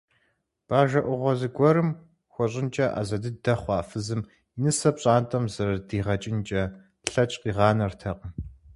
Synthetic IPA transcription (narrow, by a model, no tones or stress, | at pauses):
b̥aːʒɐʔʷʊʁʷɔzɨɡʷɔɾɨm | xʷɔɕʼɪnt͡ʃʼɐʔa̰ːzɐdɨdɐχʷɑːfɨzɨm | inɨsɐpʼɕʼaːntʼɐmzɐrɐdiːʁɐt͡ʃʼɪnt͡ʃʼɐ | ɬɐt͡ʃʼqiːʁɑːnɐrtʰɐqʼəm